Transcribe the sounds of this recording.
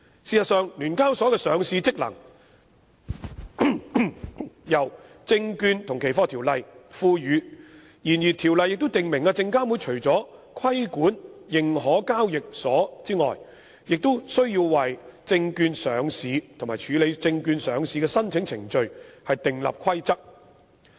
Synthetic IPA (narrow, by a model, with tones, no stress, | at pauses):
siː˨sɐ˨t̚sœː˨ŋlyː˨˩nkaː˥wsɔː˨˥kɛ˧sœː˨˥ŋsiː˧t͡sɪ˥k̚lɐ̰˨˩ŋ | jɐ˨˩w | t͡sɪ˧ŋkyː˧nt̪ʰʊ˨˩ŋkʰe˨˩jfɔː˧t̪ʰi˨˩wlɐ˨jfuː˧jyː˨˧ | jiː˨˩njiː˨t̪ʰiː˨˩wlɐ˨˧jːɪ˨k̚t̪o˥t̪ɪ˨ŋmɪ˨˩ŋaː˧t͡sɪ˧ŋkaː˥mwuː˨˧jt͡ʃʰɵ˨˩ɥt͡sɔː˨˥kʰɐ˥jkuː˨˥njɪ˨ŋɦɔː˨˥kaː˥wjɪ˨k̚sɔː˨˥t͡siː˥ŋɔ̰ː˨j | jɪ˨k̚t̪o˥wsɵ˥ɥjiː˧wːɐ˨jt͡sɪ˧ŋkyː˧nsœː˨˥ŋsiː˨˧t̪ʰʊ˨˩ŋmaː˨˩t͡ʃʰyː˨˧le˨˧jt͡sɪ˧ŋkyː˧nsœː˨˥ŋsiː˧kɛː˧sɐ˥nt͡sʰɪ˨˥ŋt͡sʰɪ˨˩ŋt͡ʃɵ˨˧ɥhɐ˨jt̪ɪ˨ŋlɐ̰˨p̚kʰɐ˥jt͡sɐ˥k̚